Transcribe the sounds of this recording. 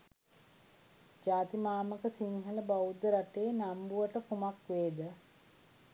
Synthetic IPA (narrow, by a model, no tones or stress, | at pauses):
d͡ʒaːt̪imaːməkəsiŋɦələbawud̪əɾaʈeːnambuʋəʈəpumakʋeːd̪ə